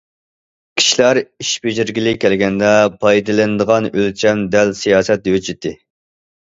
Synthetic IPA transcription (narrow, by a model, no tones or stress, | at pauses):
kʲʰi̥ʃilæɾiʃbeʒiɾɡʲilɪkʲʰælɡʲɛnd̪ɛpʰɑjd̪ɨlɨnɨd̪əʁɑnølt͡ʃʰɛmd̪ɛlsijɑːsɛt̪̚jøt͡ʃʰɪt̪ʰːɪ